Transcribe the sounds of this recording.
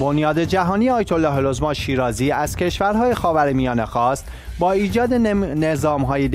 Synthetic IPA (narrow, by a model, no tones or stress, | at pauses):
bonjɒːd̪e̞d͡ʒæɦɒːnijeɒːjet̪ʰolːɒːɦelozmɒːnʃiːɾɒːziːæz̥cʰe̞ʃvæɾɦɒːjexɒːvæɾemijɒːne̞xɒːst̪ | bɒːiːd͡ʒɒːd̪enezɒːmɦɒːjed̪